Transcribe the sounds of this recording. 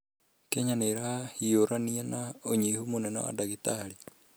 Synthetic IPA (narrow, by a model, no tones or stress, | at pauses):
keɲaneɾahahioɾanianaoɲihumonenɔ̰a̰daɣitaɾi